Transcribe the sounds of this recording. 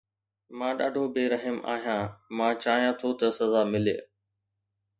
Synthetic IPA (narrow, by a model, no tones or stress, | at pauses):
mãːɗa̰ːɖʱobɪɾɐɦəma̰ːɦijãːmãːt͡ɕaːɦijãt̪ʰot̪ɐsɐzaːmɪle